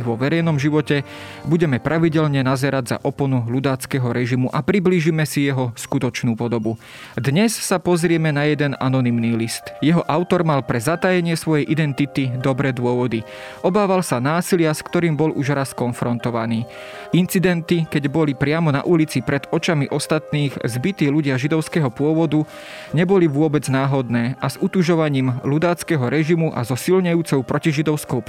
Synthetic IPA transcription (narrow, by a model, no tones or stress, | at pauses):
ʋɔʋɛɾɛjnɔmʒiʋɔcɛbuɟɛmɛpɾʔaʋiɟɛlɲɛnazɛɾaɟza̰ʔɔpɔnulud̪aːt͡skɛɦɔɾɛʒimuʔapɾibliːʒimɛsijɛɦɔskut̪ɔt͡ʃnuːpɔd̪ɔbu | d̪ɲɛssapɔzɾɪɛmɛnajɛd̪ɛna̰nɔnimniːlist̪jɛɦɔʔaʊt̪ɔɾmalpɾɛzat̪ajɛɲɪɛsʋɔjɛjʔid̪ɛnt̪it̪id̪ɔbɾɛːd̪ʊɔʋɔd̪i | ʔɔbaːʋalsanaːsilɪaskt̪ɔɾiːmbɔlʔuʒɾaskɔnfɾɔnt̪ɔʋaniː | int͡sid̪ɛnt̪ikɛɟbɔlipɾɪamɔna̰ʔulit͡sipɾɛd̪ɔt͡ʃamiʔɔst̪at̪niːxzbit̪iːluɟɪaʒid̪ɔʊskɛːɦɔpʊɔʋɔd̪u | ɲɛbɔliʋʊɔbɛd͡znaːɦɔd̪nɛːʔazut̪uʒɔʋaɲiːmlud̪aːt͡skɛːɦɔɾɛʒimuʔa̰zɔsilɲɛjuːt͡sɔʊpɾɔciʒid̪ɔʊskɔʊ